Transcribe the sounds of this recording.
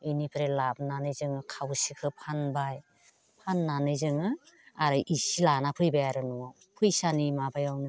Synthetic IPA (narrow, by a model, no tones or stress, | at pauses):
ɯnipʰɾelab̚nanɯjzɯŋɯkʰawsikʰɯpʰanbaj | pʰanːanɯjzɯŋɯ | aɾɯʔisilanapʰɯjbajaɾɯnua | pʰɯjsanimabajawnɯ